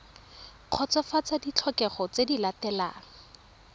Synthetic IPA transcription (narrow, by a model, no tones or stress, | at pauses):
q͡χʰɔt͡sɔfat͡sadit͡ɬʰɔkɛχɔt͡sedilatɛlaːŋ̩